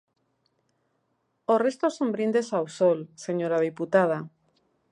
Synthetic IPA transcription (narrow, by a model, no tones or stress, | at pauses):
orest̪osõmbɾind̪esawsolseɲoɾað̞iput̪að̞a